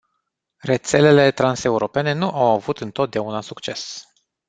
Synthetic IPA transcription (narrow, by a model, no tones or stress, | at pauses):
re̞t̪se̞le̞le̞t̪ɾanse̞uɾo̞pe̞ne̞nuʔawavut̪ɨnt̪o̞t̪̚d̪eaunasukt͡ʃe̞s